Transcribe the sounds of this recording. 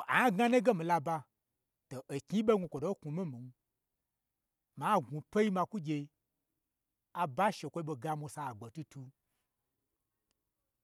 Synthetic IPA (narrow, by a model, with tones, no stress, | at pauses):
a˨a˦ɡa˦ne˦ɡe˦mĩ˨la˧ba˧ | to˨ʔe˨kʲi˦ɓe˦ɡʷũ˧kʷo˨do˦ku˨mi˦mi˨n˦ | ma˨˦˨ɡũ˨pe˦ji˦mã˧ku˦ɡʲe˧˦ | a˨ba˦ʃe˨kʷo˧i˦ɓo˧ɡa˧mu˧sa˧˨ɡ͡bo˨tu˧tu˧